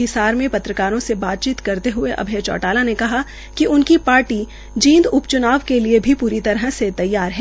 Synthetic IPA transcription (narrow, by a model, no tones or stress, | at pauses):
ɪsaːɾmẽpɐt̪ɾəkaːɾõsebaːt̪̚t͡ʃiːt̪kɐɾt̪eɦʊeʔɐ̰bʱeːt͡ʃɔ̰ːʈaːlanekɐɦa | kiʔʊnkipaːɾʈi | d͡ʒĩːnd̪ʊpt͡ʃʊnaːʋkeliebʱipuːɾit̪ɐɾɦset̪ɐjːaːɾɦɛ